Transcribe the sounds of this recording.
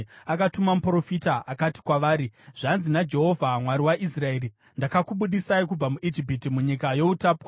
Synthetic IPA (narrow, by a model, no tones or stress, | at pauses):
akatumamupro̞fitaʔakati̥kwaʋaːɾiʐ̥anzinad͡ʒe̞ɦo̞vʱamwaɾiwaʔis̬rae̞ːɾi | ndakakuɓuɗisaikub͡vamuʔid͡ʒipitimuɲikajo̞utapwa